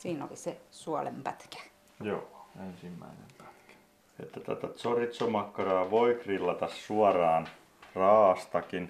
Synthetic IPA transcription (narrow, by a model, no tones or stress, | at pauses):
siːno̰lisesuɑlḛmpæt̪kæ̥ | joːensimːæ̰inḛmpæ̥t̪kæ̥ | ḛt̪ːæt̪ːæ̰t̪æt̪sorit̪somɑkːɑrɑːʋoikrilːɑt̪ɑssuɑrɑːn | rɑːɑst̪ɑkin